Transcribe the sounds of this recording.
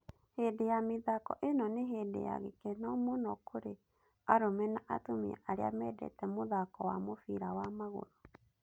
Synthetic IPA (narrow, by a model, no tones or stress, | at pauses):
hedejamiðakɔ̰ʔenɔneɦeːdḛja̰ɣekɛnɔmonɔkʰoɾe | aɾomɛnaʔatomiɛ̰ʔaɾea̰mɛdɛ̰tɛmoðakɔwamofiɾawamaɣo̰ɾo